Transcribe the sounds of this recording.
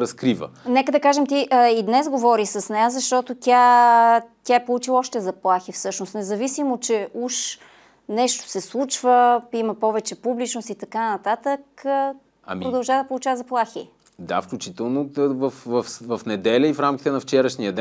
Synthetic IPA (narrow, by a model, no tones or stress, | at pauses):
ɾɐskɾivə̰nɛkəd̪ɐkaʒɛmt̪iʔəid̪nɛzɡovɔɾisəsnɛjazɐʃt̪ɔt̪ot̪ʲja | t̪ʲaɛpolˠut͡ʃilˠɔʃt̪ɛzɐplˠaxifsɤʃnosnɛzɐvisimot͡ʃɛuʃ | nɛʃt̪o̥sɛslˠut͡ʃvəimɐpɔvɛt͡ʃɛpublit͡ʃnost̪it̪ɐkanɐt̪at̪ək | ɐ̰mpɾod̪ɐlˠʒavəd̪ɐpolˠut͡ʃavəzɐplˠaxi | d̪a̰fklʲut͡ʃit̪ɛlˠnovɐfvɐfvɐfnɛd̪ɛlʲəifɾamkʲi̥t̪ɛnɐft͡ʃɛɾəʃniəd̪ɛ